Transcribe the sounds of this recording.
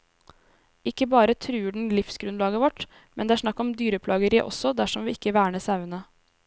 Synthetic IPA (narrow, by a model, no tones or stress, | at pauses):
ɪkːəbɑːɾət̪ʰɾʉːɖɳ̩lɪfsɡɾʉnlɑːɡəʋɔʈ | mɛnd̪ɛːæːʂnɑkːɔmd̪yːɾəpʰlɑːɡəɾiːʔɔ̰sɔd̪æʂɔmʋɪːɪkːəʋæːɳəsɑʉənə